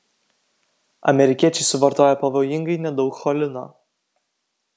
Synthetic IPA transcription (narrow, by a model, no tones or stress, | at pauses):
ɐ̰mʲɛɾʲɪkʲiɛt͡ʃʲɛɪsʊʋɐɾt̪oːjɛpɐʋoːjɪŋɡɐɪnʲɛd̪ɒʊkxɔlʲɪno̰ː